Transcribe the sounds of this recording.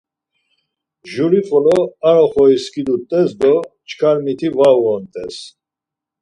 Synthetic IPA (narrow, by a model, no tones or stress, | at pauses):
ʒuɾiχʼɔlɔaɾɔχɔiskʰid̪ut̪ʼɛsd̪ɔt͡ʃʰkʰalmit̪ʰivaɔnt̪ʼɛs